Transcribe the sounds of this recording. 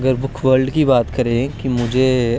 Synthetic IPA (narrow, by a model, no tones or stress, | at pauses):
ɡəɾbʊkʰʋəɾɖkibaːt̪kɐɾẽkimʊd͡ʒʱe